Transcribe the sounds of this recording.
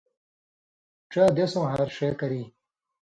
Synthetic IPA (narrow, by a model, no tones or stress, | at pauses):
ʈ͡ʂaːd̪esõɦaːɾʂeːkɐɾi